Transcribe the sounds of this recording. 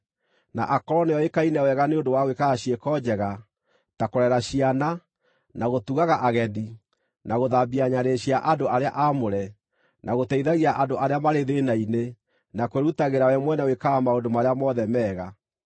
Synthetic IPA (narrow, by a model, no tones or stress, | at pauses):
na̰ʔakɔɾɔneɔekainɛwɛɣaneondowaɣwekaːɕiɛkɔd͡ʑɛɣa | takoɾɛɾaɕiana | naɣotuɣaɣaʔaɣɛði | nʔaɣoðabiaɲaɾeɕiaʔadoʔaɾea̰ʔamoɾɛ | nʔaɣotɛiðaɣiaʔadoʔaɾeamaɾeðenaine | nakweɾutaɣeɾawɛmwɛnɛwekaːmaondomaɾeamɔðɛmɛːɣa